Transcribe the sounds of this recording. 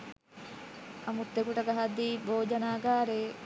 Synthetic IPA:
ɐmut̪ːekuʈɐɡɐɦɐd̪ːiːboːd͡ʒɐnaːɡaːɾeː

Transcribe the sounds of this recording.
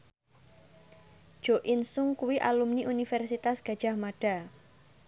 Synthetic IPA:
d̥ʒ̥oʔɪnsʊŋkuwiʔa̰lumniʔunifɛrsit̪asɡ̥a̤d̥ʒ̥a̤hmaɖ̥a̤

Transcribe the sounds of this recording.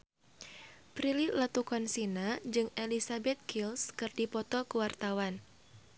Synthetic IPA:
pɾililat̪ukɔnsinad͡ʒɨŋelisabɛt̪̚kʰilskɨrdipɔt̪ɔkəwart̪awan

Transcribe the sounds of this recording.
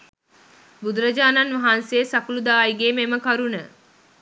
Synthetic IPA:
bud̪uɾəd͡ʒaːnanʋaɦanseːsakulud̪aːjɡeːmeməkaɾunə

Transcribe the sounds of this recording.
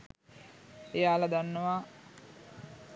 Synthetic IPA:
ejaːlad̪anːəʋaː

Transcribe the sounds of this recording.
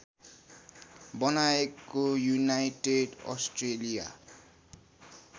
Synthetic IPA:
bʌnaekojunajʈeɖɔ̰sʈrelija̰

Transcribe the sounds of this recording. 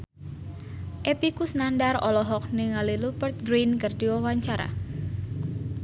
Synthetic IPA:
ʔepikusnandarɔlɔɦɔk̚niŋalilupərt̪̚ɡɾinkərdiwawaɲt͡ʃaɾa̰

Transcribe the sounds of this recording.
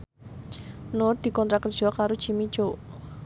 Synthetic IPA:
nʊr̚d̪̥i̤kɔnt̪ɾakərd̥ʒ̥ɔ̤kaɾod̥ʒ̥imi̥ʒ̥oʔ

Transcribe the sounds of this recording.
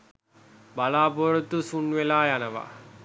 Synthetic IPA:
balaːpoːɾɐt̪usunʋelaːjanəʋa̰

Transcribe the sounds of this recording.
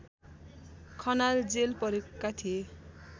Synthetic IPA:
kʰʌnald͡zelpʌɾekːat̪ʰie

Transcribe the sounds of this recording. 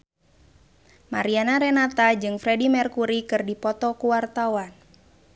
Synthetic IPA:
ma̰ɾianaɾɛnat̪ad͡ʒɨŋfɾɛdimɛrkuɾikɨrdipɔt̪ɔkuwart̪awan

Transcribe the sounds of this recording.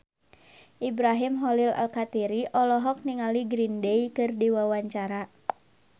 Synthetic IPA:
ʔibɾaɦimɦɔlila̰lkat̪iɾiʔɔlɔɦɔk̚niŋaliɡɾindeikɨrdiwawaɲt͡ʃaɾa

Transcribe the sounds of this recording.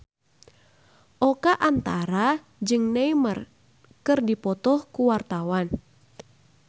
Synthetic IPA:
ʔɔkaʔant̪aɾa | d͡ʒɨŋnɛimər | kɨrdipɔt̪ɔhkuwart̪awan

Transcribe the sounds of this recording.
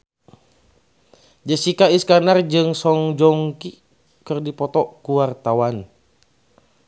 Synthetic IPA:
d͡ʒəsikaiskanard͡ʒɨŋsɔŋd͡ʒɔŋki | kərdipɔt̪ɔkuwart̪awan

